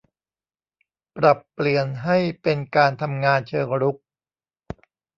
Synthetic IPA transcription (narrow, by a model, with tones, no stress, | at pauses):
pɾa˨˩pːli˨˩ənɦa˥˩jpe˧nkaː˧nt̪ʰa˧mŋaː˧nt͡ɕʰɤː˧ŋɾu˦˥k̚